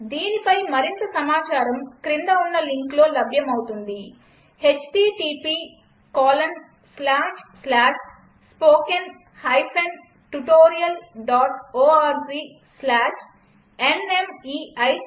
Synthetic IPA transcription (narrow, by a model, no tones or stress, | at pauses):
d̪iːnipɐjmɐɾint̪ɐsɐmaːt͡ʃaːɾɐmkɾind̪ɐunːɐliŋklo̞ːlɐbʱjɐmɐwut̪und̪i | het͡ʃʈiːʈiːpiː | kaːlɐn | slaːʂslaːʂ | spoːken | hɐjpʰen | ʈuʈoːɾijɐlɖaːʈoːaːɾd͡ʒi | slaːʂ | ene̞miːɐj